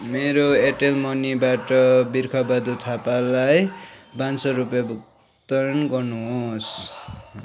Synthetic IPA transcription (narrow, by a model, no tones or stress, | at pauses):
meɾoeʈelmʌnibaʈʌbirkʰʌbad̪ut̪ʰapalajbansʌɾupjʌbuk | t̪ʌɾʌnɡʌrnuɦos